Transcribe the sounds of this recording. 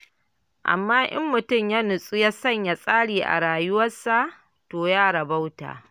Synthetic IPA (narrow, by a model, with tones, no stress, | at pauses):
ʔa̰˨mːaː˦ʔɐ̰˦mːʊ˨tʊ˦˨mja˦nʊ˨sʼu˦ja˦sɐ˦˨ɲja˦sʼaː˦ɽiː˨ʔa̰˨ɽaː˨jʊ˦wɐ˦sa˦ʔ | toː˨jaː˦ɽɐ˨ba˦wta̰ː˨